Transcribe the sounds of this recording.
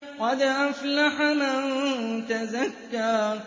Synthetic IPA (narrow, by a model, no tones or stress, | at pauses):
wad̪aʔaflaħanat̪azakːa